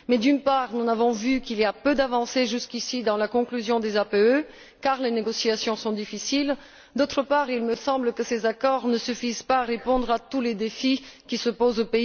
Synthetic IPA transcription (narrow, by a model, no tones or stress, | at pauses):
mɛd̪ynpaʁnunavɔ̃vykiliapød̪avɑ̃seʒyskʲisid̪ɑ̃lakɔ̃klyzjɔ̃d̪ezapeø | kaʁleneɡɔsiasjɔ̃sɔ̃d̪ifisil | d̪ot̪χəpaʁilməsɑ̃bləkəsezakɔʁnəsyfizpaːʁepɔ̃d̪ʁat̪uled̪efikʲisəpozopei